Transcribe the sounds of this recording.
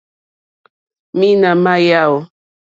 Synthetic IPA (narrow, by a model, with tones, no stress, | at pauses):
mi˦na˨ma˦ja˦˨w